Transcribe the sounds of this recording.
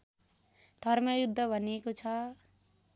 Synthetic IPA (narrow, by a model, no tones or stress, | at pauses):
d̪ʱʌrmʌjud̪ʱːʌbʱʌnekot͡sʰʌ